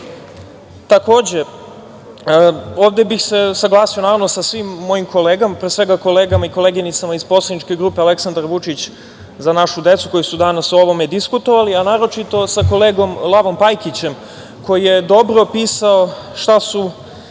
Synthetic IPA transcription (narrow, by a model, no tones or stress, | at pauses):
t̪ako̞ːd͡ʑe̞ | o̞ːʋd̪e̞bixse̞saɡlˠaːsio̞naːɾaʋno̞sasʋimːo̞jimko̞leːɡamapɾesʋe̞ɡako̞leːɡamaiko̞le̞ɡinit̪samaizpo̞slˠad̪nit͡ʃke̞ɡɾuːpeale̞ksand̪aɾʋut͡ʃit͡ɕ | zanaʃud̪e̞t̪suko̞jisud̪anasoo̞ʋo̞me̞d̪iskut̪o̞ʋalianaːɾo̞t͡ʃit̪o̞sako̞leːɡo̞mlˠaʋo̞mpajkit͡ɕe̞m | ko̞jije̞d̪o̞bɾo̞piːsaoʃt̪asu